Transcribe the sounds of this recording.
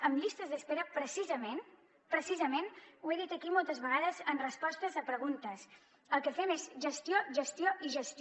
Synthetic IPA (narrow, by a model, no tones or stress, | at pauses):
əmʎist̪əzðəspeɾəpɾəsizəmen | pɾəsizəmenueðit̪əkimɔlˠt̪əzβəɣaðəzənrəspɔst̪əzəpɾəɣunt̪əs | əlˠkəfɛmezʒəst̪ioʒəst̪joʔiʒəst̪